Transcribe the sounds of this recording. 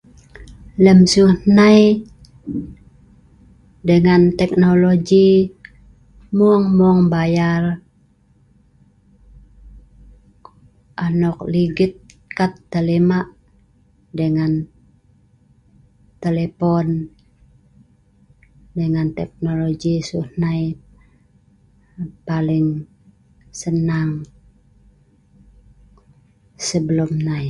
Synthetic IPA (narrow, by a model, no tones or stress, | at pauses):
ləmsuhnaj | dəŋant̪ɛk̚noloɡi | muŋmɔŋbajar | ʔanɔk̚liɡit̪̚ | kat̪ːelemaʔ | dəŋan | t̪elepɔn | dəŋant̪ɛk̚noloɡisuhnait̪̚ | palɪŋ | sənaŋ | səbəlumnai